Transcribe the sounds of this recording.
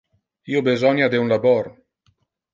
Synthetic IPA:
iːobezɔɲjad̪eunlabɔr

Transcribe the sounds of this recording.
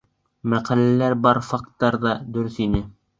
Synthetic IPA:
mæqælælæɾbɑɾfɑkt̪ːɑɾðɑd̪ɵ̆ɾɵθinɘ

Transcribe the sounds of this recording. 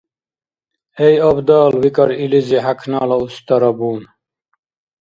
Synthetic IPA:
ejɔbd̪ɑːlwikʌɾiliziɦakʰnɑːlɐust̪ɐɾɐbuːn

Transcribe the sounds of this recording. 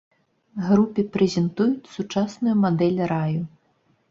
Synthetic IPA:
ɣɾupʲipɾɛzʲɛnt̪ujut͡sʲsut͡ʂasnujumad̪ɛlʲɾaju

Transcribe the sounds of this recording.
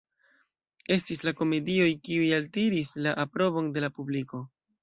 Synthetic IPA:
e̞stislako̞me̞dio̞jkiujaltiɾislaʔapɾo̞bo̞nde̞lapubliko̞

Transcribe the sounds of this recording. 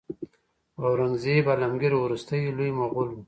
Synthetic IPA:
awɾaŋzibalamɡiɾwɾust̪əjlujmaɣulu

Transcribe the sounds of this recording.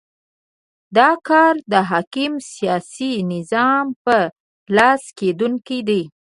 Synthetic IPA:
d̪ɑkɑɾd̪əɦɑkimsijɑsinɪzɑmpə | lɑsked̪uŋkid̪i

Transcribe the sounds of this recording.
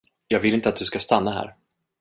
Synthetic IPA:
jɑːɡvɪlɪnt̪əat̪̚d̪ɵskast̪anːaɦæ̰ːɾ

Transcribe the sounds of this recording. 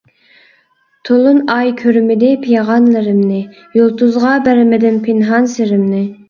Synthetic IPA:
t̪ʰolˠunɑjkʲʰøɾmɪd̪ɪpʰijɑʁɑnlɨɾɪmnɪ | jolˠt̪uzʁɑbæɾmɪd̪ɪnpʰɪnɦɑnseɾɪmnɪ

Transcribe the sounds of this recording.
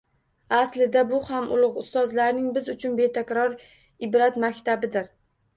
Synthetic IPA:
aslɪd̪abʊhamʊlˠʊqʊst̪ɒzlaɾnɪŋbɪzʊt͡ʃʰʊnbe̞t̪ʰakʲɾɒɾ | ɪbɾat̪makʲt̪abɪd̪ɪɾ

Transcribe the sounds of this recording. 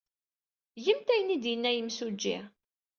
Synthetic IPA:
jəmt̪æjənid̪jənːæjəmsud͡ʒːḭ

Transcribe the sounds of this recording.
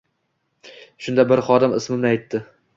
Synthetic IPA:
ʃʊnd̪abɪɾχɒd̪ɪmɪsmɪmnɪajt̪ʰːɪ

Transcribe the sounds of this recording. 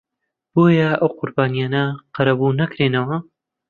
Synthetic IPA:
b̥oːjɐʔɐwqʰʊɾbaːnijaːnɐqɐɾɐbunɐkɾeːnɐwɐ

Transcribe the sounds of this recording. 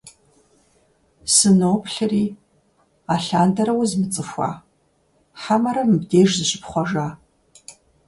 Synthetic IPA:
sɨnowpɬɨriː | aːɬaːndɐɾɐwzmɨt͡sʼɨxʷa̰ː | ħamɐɾɐmɨbdeːʒzɨɕɪpχʷɔʒaː

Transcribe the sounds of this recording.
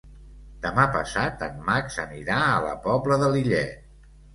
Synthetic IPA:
d̪̥əmapə̰sat̪ənmaksəniɾaələ̰pɔbləðəliʎɛ

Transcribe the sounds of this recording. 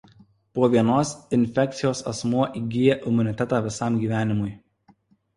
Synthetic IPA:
puɔʋʲiɛnoːsɪnʲfʲɛk̚t̪sʲɪjoːsɐ̰smuɔʔiːɡʲɪjɛʔɪmʊnʲɪt̪ʲɛt̪ɑːʋʲɪsɑˑmɡʲiːʋʲæːnʲɪmʊɪ

